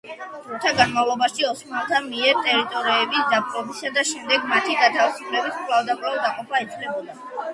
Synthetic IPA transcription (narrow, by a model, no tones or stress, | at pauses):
uɾt̪ʰaɡanmavlˠɔbaʃiɔsɔt̪ʰamiɛɾt̪ʼɛɾit̪ʼɔɾiɛbisd̪apʼɾʼɔbisad̪aʃɛmd̪ɛɡmat̪ʰiɡat̪ʰavisupʰlɛbiskʼlˠavd̪apʼlavd̪aqʼɔpʰait̪sʰlɛbɔd̪a